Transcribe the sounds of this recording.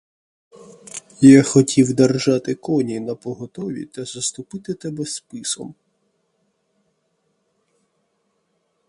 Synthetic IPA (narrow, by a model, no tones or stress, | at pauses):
jaxɔtʲiwd̪ɐrʒɑt̪ɪkɔnʲinɐpɔɦɔt̪ɔʋʲḭt̪ɐzɐst̪ʊpɪt̪ɪt̪ɛbɛspɪsɔ̰m